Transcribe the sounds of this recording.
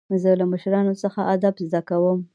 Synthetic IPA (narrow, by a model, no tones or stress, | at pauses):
zəlamaʃɾɑnosəxaʔad̪abzd̪akawəm